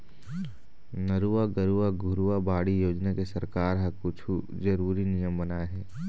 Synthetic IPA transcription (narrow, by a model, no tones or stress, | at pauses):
nɐɾuaɡɐɾuaɡʱʊɾuabaːɽijoːd͡ʒnakesɐɾkaːɾɦɐkʊt͡ʃʰu | zɐɾuːɾinijəmbɐnaɦɛː